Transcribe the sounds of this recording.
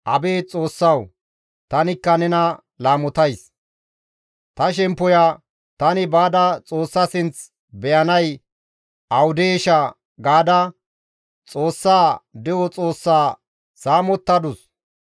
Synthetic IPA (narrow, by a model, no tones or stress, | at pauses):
ʔɐbeːt͡sʼo̞ːsːɐw | t̪ɐnɪkːɐnɛnɐ | laːmɔt̪ɐjs | t̪ɐʃ̬ɛmpːɔja | t̪ɐnɪbaːd̪ɐt͡sʼo̞ːsːɐsɪnt͡s | bɛjɐnɐj | ɐwʊd̪eːʃɐ | ɡaːd̪ɐ | t͡sʼo̞ːsːaːd̪ɛwɔt͡sʼo̞ːsːaː | saːmɔt̪ːɐd̪ʊs